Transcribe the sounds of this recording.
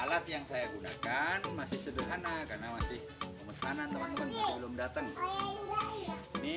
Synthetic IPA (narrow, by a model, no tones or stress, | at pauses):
alat̪̚jaŋsajaɡuna̰kanmasɪhsədərɦanakarnamasɪh | əməsanant̪əmənt̪əmənabəlʊmdat̪əŋ | ni